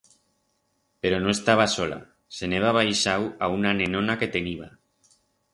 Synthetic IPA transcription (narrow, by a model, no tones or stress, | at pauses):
peɾonoest̪aβ̞asola̰ | se̞neβ̞aβajʃawaunanẽnõnake̞t̪e̞niβ̞a